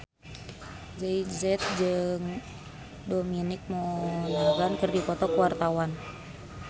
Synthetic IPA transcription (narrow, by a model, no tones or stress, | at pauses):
zɛizɛt̪̚d͡ʒɨŋ | dominɪk̚mɔnaɡankərdipɔt̪ɔkəwart̪awan